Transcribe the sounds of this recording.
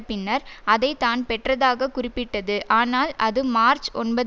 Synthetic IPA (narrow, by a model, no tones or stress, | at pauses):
pːɪnːɐɾɐðɐɪt̪ːaːnpɛʈrɐðaːɣɐkʊrɪpːɪʈːɐðɯʔaːnaːlʔɐðɯmaːɾt͡ʃɔ̰nbɐ